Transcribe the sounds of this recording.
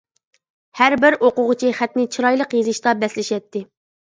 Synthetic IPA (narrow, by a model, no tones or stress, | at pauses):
hæɾbɪɾoqʊʁʊt͡ʃʰiχæt̪nɪt͡ʃʰiɾɑjlˠəqjezɪʃt̪ɑbɛslɪʃɛt̪ːɪ